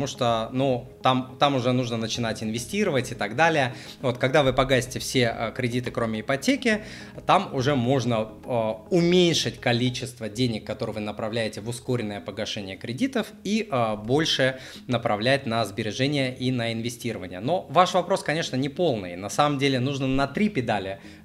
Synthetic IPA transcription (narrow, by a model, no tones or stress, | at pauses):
muʂt̪onut̪amt̪amʊʐɛnuʐnənət͡ɕɪnatʲɪnvʲɪsʲtʲiɾəvətʲɪt̪ɐɡd̪alʲɪjə | vo̞t̪kɐɡd̪avɨpɐɡasʲɪ̥tʲɪfsʲe̞kɾʲɪdʲit̪ɨkɾo̞mʲɪɪpɐtʲekʲɪ | t̪amʊʐɛmo̞ʐnə | ʊmʲenʲʂɨtʲkɐlʲit͡ɕɪst̪vədʲenʲɪkːɐt̪o̞ɾɨvɨnəpɾɐvlʲæjɪtʲɪvʊsko̞ɾʲɪnːəjəpəɡɐʂɛnʲɪjəkɾʲɪdʲit̪əfibo̞lʲʂɨ | nəpɾɐvlʲæt̚ʲnəzbʲɪɾʲɪʐɛnʲɪjəʔinəɪnvʲɪsʲtʲiɾəvənʲɪ̰jəno̞vaʂvɐpɾo̞skɐnʲe̞ʂnənʲɪpo̞lˠnɨ̰jnɐsaməmdʲelʲɪnuʐnənɐt̪ɾʲipʲɪd̪alʲɪ